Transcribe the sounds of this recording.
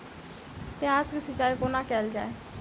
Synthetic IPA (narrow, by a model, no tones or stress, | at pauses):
keãːskisɪt͡ʃaːikonakɛːld͡ʒa̰ːeː